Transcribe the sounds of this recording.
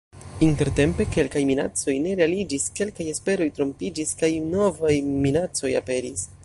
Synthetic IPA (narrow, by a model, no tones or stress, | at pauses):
inte̞ɾte̞mpe̞ke̞lkajmina̰t͡so̞jne̞ɾealid͡ʒiske̞lkaje̞spe̞ɾo̞jtɾo̞mpid͡ʒiskajno̞vajminat͡so̞ja̰pe̞ɾis